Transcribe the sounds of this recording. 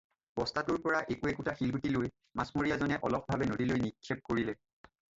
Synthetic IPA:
b̥ɔstatuɹpɔɹaʔekuɛkutaxilbutiloj | masmoɹijazɔnɛʔɔ̰lɔp̚ʰbʱabɛnodilojnikʰːɛp̚koɹilɛ

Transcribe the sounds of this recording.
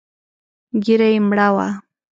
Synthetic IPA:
ɡɪɾajmɽawa̰

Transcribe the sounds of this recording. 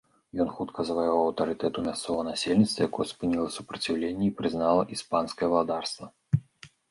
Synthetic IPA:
jɔnxut̪kʰɐzɐvajɔawwɐwt̪ɐɾɨt̪ɛt̪umʲast̪sɔɣɐnasʲelʲnʲit̪st̪vɐjakɔjɛspɨnʲilˠɐsu̥pɾɐt͡sʲiwlʲenʲːɛipɾɨznalˠɐʔispanskɐjɛvɐlˠad̪arst̪vɐ

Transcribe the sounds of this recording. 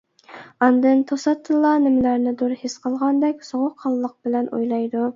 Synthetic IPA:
ɑnd̪ɨnt̪ʰosɑt̪ʰːɨlˠːɑnɪmɪlæɾnɪd̪uɾhɪsqʰəlˠʁɑnd̪ɛkʲsoʁʊqʰːɑlˠːəq̚bɪlɛnʔo̰jlˠɑjd̪u

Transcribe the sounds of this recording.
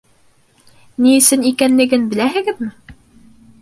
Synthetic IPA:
niɘ̆sɘnikænlɘ̆ɡɘnbɘ̆læɦɘ̆ɡɘ̆ðmɘ

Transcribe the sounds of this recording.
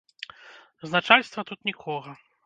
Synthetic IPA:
znat͡ʂalʲst̪vɐt̪ut̪nʲikʰɔɣɐ

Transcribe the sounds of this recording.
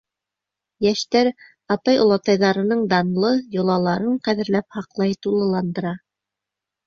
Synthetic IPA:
jæʃt̪æɾ | ɑt̪ɑjŏlˠɑt̪ɑjðɑɾɤ̆nɤɴd̪ɑnlˠɤjŏlˠɑlˠɑɾɤɴqæðɘ̆ɾlæp̚hɑqlˠɑjt̪ulˠɤ̆lˠɑnd̪ɤ̆ɾɑ

